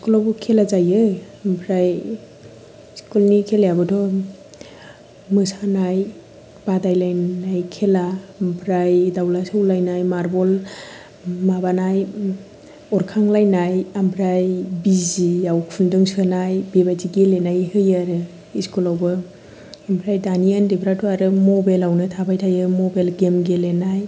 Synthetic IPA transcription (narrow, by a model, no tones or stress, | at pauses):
iskulawbɔkʰelazajɯ | mpʰɾaj | skulnikʰeljabɯdɔ | mɯsanaj | b̥adajlajnajkʰelampʰɾajdawlasɯwlajnajmaɾbɔl | mabanaj | ɔɾkʰaŋlajnajambʰɾajbiziawkʰundɯŋsɯnajbebajziɡelenajhɯjaɾɯ | iskulawbɯ | ambʰɾajdaniəndebʰɾatuaɾɯmɔbajlawnɯtʰabajtʰajɯmobalɡemɡelenaj